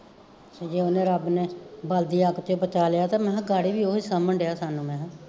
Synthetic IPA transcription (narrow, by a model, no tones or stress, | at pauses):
d͡ʒeːonẽːɾəbneːbəld̪iːaːkt̪eoːpət͡ʃaːlɪjaːt̪ãːmɛ̃ːɡaːɽiːbiːoːiːsaːmənɖejaːsaːnũːmɛ̃ː